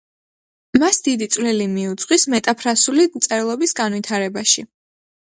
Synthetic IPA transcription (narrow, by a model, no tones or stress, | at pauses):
masd̪̥id̪it̪sʼwlɛlimiut̪sʼqʼwismɛt̪ʼapʰɾasulit̪sʼɛɾlˠɔbisɡanvwit̪ʰaɾɛbaʃi